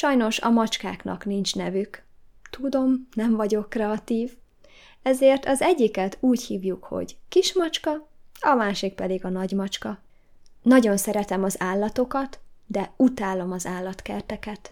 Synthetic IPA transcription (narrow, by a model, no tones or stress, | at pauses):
ʃɒjno̞ʃɒ̰mɒt͡ʃkaːknɒ̰knint͡ʃnɛvykt̪ud̪o̞mnɛɱvɒɟo̞kːrɛɒt̪iːv | ɛzeːrt̪ɒzɛɟːikɛt̪uːɟhiːvjukho̞̰ɟkiʃmɒt͡ʃkɒɒmaːʃik̚pɛd̪iɡɒnɒɟmɒt͡ʃkɒ | nɒɟo̞nsɛɾɛt̪ɛmɒzaːlːɒt̪o̞kɒt̪d̪ɛut̪aːlo̞mɒzaːlːɒt̪kɛrt̪ɛkɛt̪